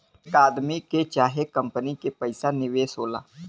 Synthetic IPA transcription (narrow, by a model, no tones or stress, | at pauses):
kaːd̪miket͡ʃaːɦekə̃mpənikepəɪsanɪʋeːsɦoːla̰ː